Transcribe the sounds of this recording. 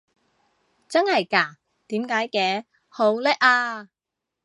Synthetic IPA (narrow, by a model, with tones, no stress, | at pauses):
t͡sɐ˥nhɐ˨jkaː˧˩ | t̪iː˨˥mkaː˨˥jkɛː˨˧˥ | ho˨˥wlɛː˥k̚aː˧